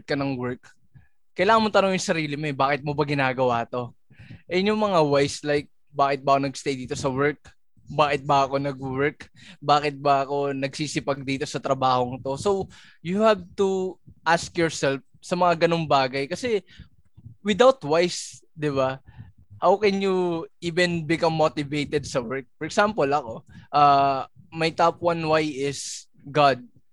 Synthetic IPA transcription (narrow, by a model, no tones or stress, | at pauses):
t̪̚kɐnɐŋwɛɹkː | ɐjlaːɐŋmot̪ɐnoŋjʊŋsɐɾiːlɪmoɛbaːkɪt̪̚mobɐɡɪnaːɡɐwaːt̪o̞ | ʔɛjʊɲoŋmɐŋawajslajk̚ | baːkɪt̪̚bɐʔɐkonɐɡst̪ejd̪iːt̪o̞sɐwɛɹk̚ | baːkɪt̪̚bɐɐko̞nɐɡ̚wɛɹkbaːkɪt̪̚bɐʔɐko̞nɐɡsiːsɪpɐɡ̚d̪iːt̪o̞sɐt̪ɾɐbaːho̞ŋɪt̪o̞so̞w | jʊhav̚t̪uʔaskjɔɹsɛlf | sɐmɐŋaɡɐno̞ŋbaːɡɐjkɐsɛ | wɪd̪awt̪ːwajs | d̪ɪβa | hawkɛnjuʔiːvɛ̃nbɪkɐmːot̪ɪvejt̪ɛd̪̚sɐwɛɹk̚pɔɹʔɛksampolɐko̞ʔaːmɐjt̪apwɐnwajɪs | ɡad̪̚